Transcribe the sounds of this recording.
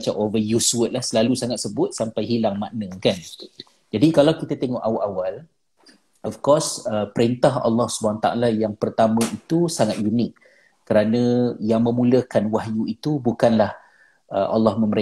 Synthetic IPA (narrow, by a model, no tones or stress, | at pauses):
t͡ʃamovəjusuwət̪̚lahsəlalusaŋat̪̚səbʊt̪̚sampajɦilaŋmaʔnə̃kan | d͡ʒadikalawkit̪at̪eŋɔʔawʔawal | ɔfkɔsəpəɾint̪aɦɑ̰lːɔhsubaat̪a̰ʔa̰lajaŋpərt̪amə̃ʔit̪usaŋat̪̚junɪkː | əɾanə̃jaŋmə̃mũləkanwaɦjuit̪ubukanlah | ʔəʔɑ̰lːɑhmə̃məɾe